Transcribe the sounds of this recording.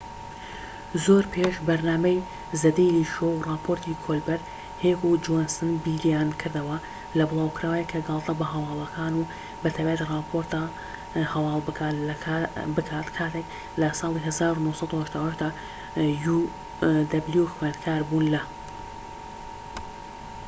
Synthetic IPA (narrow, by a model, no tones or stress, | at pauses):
zoːɾpʰeʃbɐɾnaːmɐj | zɐd̪ejliːʃowrɑːpʰoːɾt̪ʰikʰolbɐɾ | heːkud͡ʒonsɨnbiːlijaːnkʰɨɾd̪ɐwɐ | lɐbɨlˠaːwkɨɾaːwajekʰɐɡɑlˠt̪ʰɐbɐɦɐwɑːlˠɐkʰaːnu | bɨt̪ʰabaːjt̪irˤɑːpʰo̞ɾt̪a | hɐwɑːlˠbɨkʰaːlɐkʰabɨkʰaːt̪kʰaːt̪ʰek | lɐsɑːlˠiɦɐzaːɾunohsˤɑd̪uhɐʃd̪aːwhɐʃd̪a | ju | d̪ɐbljuxwenkʰaːɾbuːnlɐ